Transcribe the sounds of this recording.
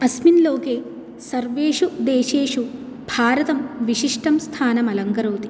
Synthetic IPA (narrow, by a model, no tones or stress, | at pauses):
ɐsminloːkeː | sɐɾʋeːʂud̪eːʃeːʂu | bʱaːɾɐt̪ɐmʋiʂiʂʈɐmst̪ʰaːnɐmɐlɐŋɡɐɾoːt̪i̥